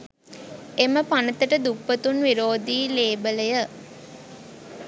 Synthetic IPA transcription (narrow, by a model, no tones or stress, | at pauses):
eməpanət̪əʈəd̪upːət̪unʋiɾoːd̪iːleːbələjə